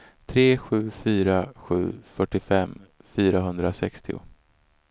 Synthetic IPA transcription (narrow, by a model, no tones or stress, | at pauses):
t̪ʰɾeːɧʉ̟ːfyːɾaɧʉ̟̰ːfœʈːɪfɛmːfyːɾaɦɵnd̪ɾasɛkst̪ɪʊ̰